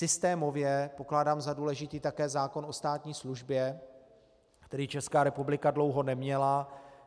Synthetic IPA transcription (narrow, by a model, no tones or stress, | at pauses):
sɪst̪ɛːmo̞vjɛpo̞klaːdaːmzaduːlɛʒɪt̪iːt̪akɛːzaːko̞no̞st̪aːt̪ɲiːsluʒbjɛ | kt̪ɛɾiːt͡ʃɛskaːɾɛpublɪkadlo̞wɦo̞nɛmɲɛla